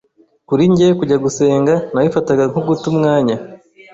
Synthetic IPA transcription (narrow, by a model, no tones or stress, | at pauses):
kuɾiɲɟekuɟaɡuse̞ːŋɡanawifataɡaŋ̥uɡutumŋaːɲa